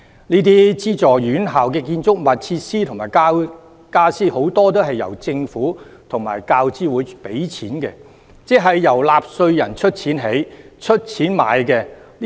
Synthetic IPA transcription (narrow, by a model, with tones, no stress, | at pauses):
niː˥t̪̬iː˥t͡siː˥t͡sɔː˨˩jyː˨˥nɦaː˨˩wkɛː˧kiː˧nt͡sʊ˥k̚mɐ˨˩t̚t͡sʰiː˧t̚siː˥t̪ʰʊ˨˩ŋmaː˨˩jka˥ | kaː˥siː˥ho˨˥wt̪ɔː˥t̪o˥wɦɐ˨jːɐ̰˨˩wt͡sɪ˧ŋfuː˨˥t̪ʰʊ˨˩ŋmaː˨˩jkaː˧wt͡siː˥wuː˨˥jpe˨˥jt͡sʰiː˨˥nkɛ̰˧ | t͡sɛː˨ɦɐ˨jːɐ˨˩wlaː˨p̚sɵ˧ɥjɐ˨˩nt͡ʃʰɵ˥t̚t͡sʰiː˨˥nɦe˨˥j | t͡ʃʰɵ˥t̚t͡sʰiː˨˥nma̰ː˨˧jkɛː˧